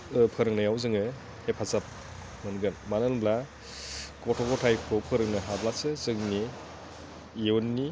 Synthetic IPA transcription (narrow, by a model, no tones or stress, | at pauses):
ɯpʰɯɾɯŋnajawzɯŋɯ | epʰazap̚ | mɯnɡɯnmanɯnbla | kɔtʰɔkɔtʰajkʰopʰɯɾɯŋnɯɦablasɯzɯŋni | jeɔnːi